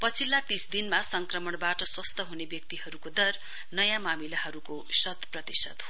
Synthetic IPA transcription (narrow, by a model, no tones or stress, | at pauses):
pʌt͡sʰilːat̪isd̪inmasʌŋkrʌmʌɳbaʈʌswʌst̪ʰʌɦunebjʌk̚t̪iɦʌɾukod̪ʌr | nʌjãmamilaɦʌɾukosʌt̪prʌt̪isʌt̪ɦo